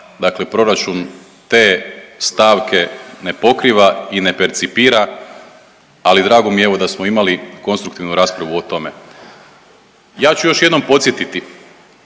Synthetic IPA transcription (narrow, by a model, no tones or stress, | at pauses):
d̪akle̞pɾo̞ɾat͡ʃun | t̪e̞ːst̪aːʋke̞ne̞po̞kɾiʋaine̞peɾt̪sipiːɾa | alid̪ɾaːɡo̞mijeeʋo̞d̪asmoimaliko̞nst̪ɾukt̪iʋnuɾaːspɾaʋuot̪o̞me̞ | jaːt͡ɕujo̞ʃjed̪nompo̞t̪sjet̪it̪i